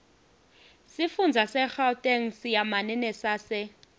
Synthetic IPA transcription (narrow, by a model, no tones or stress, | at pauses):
sɪfund͡zʱasɛk͡xatʼɛŋ̩sjamanɛnɛsasɪ